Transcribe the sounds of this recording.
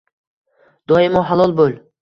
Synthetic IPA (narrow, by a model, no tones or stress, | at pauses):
d̪̥ɒjɪmɒɦalˠɒlˠbolˠ